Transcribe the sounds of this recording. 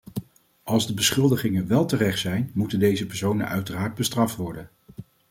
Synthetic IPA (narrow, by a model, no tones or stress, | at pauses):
ʔɑlˠzdəbəsχɵlˠdəχɪŋənʋɛlˠtərɛχtsɛjnmutəndejzəpɛɹsownə̰nʔœɥtəraːɹd̚bəstrɑftʋɔɹdən